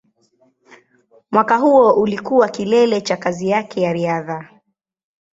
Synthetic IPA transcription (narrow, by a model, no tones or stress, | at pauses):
mwakaɦuɔʔulikuwakilɛlɛt͡ʃakazijakʰɛjaɾiaða